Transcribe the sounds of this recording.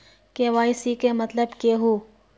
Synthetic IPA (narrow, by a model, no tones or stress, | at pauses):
keʋaːisikemɐt̪ləbkeɦuː